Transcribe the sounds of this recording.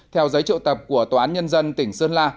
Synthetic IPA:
t̪ʰɛ˧wzə˨˦jt͡ɕḭ˧˨wt̪ə˨˩p̚ku˧˩ət̪o˨˩ʔaː˨˦nɲə˧nzə˧nt̪ï˧˩ŋ̟sɨ˧ənlaː˧

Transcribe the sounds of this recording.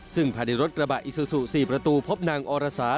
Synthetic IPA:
sɯ˥˩ŋpʰaː˧ni˧ɾo˦˥t̪̚ɾa˧ba˨˩ʔi˨˩su˧su˨˩siː˨˩pɾa˧t̪uː˧pʰo˦˥p̚naː˧ŋʔɔː˧ɾaː˧saː˩˦

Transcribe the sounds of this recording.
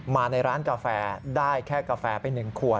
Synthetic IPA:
maː˧na˧jɾaː˦˥nka˧fɛː˧daː˥˩jkʰɛː˥˩ka˧fɛː˧pa˧jnːɯ˨˩ŋkʰu˨˩ə

